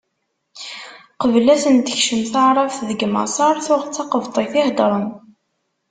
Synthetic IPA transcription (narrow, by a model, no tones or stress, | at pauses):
qəvlæsənt̪ə̥çʃəmθaʕɾˤɑfðəɡmɑ̰sˤɑɾˤθʊʁt͡sːɑqəvt̪ˤeθɪhd̪ɾˤən